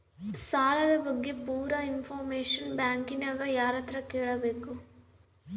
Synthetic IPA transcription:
saːlɐd̪ɐbɐɡːepuːɾɐinfʰoːɾmeːʂɐnbjaːŋkinaːɡɐjaːɾɐt̪ɾɐkeːɭɐbeːku

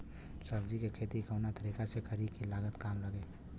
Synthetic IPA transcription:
səbd͡ʒikekʰeːt̪ikəwnat̪əɾiːkasekəɾikilaːɡət̪kaːmləɡeː

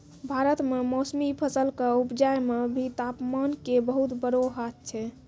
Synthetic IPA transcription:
bʱaɾət̪memosmipʰəsəlkəupd͡ʒajmebʱit̪apmankebəɦut̪bəɾoɦat̪̚t͡ʃʰɛ

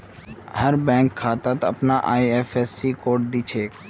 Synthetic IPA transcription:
həɾbɛ̃ːŋkʰːaːt̪aːt̪əpnaʔaːieːfʰeːsːikoːʈ̚d̪iːt͡ʃʰeːk

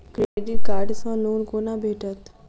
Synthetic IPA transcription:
kɾeːɖikaːɾɖsãloːnkoːnãbʱeːʈʰət̪

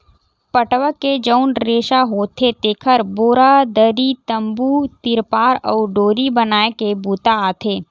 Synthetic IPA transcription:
pəʈʋəkːed͡ʒəʊnɾeːʃaɦoːt̪ʰet̪eːkʰəɾboːɾad̪əɾit̪ə̃mbut̪ɪɾpaːɾɔːɖoːɾibənaːekebuːt̪aaːt̪ʰeː

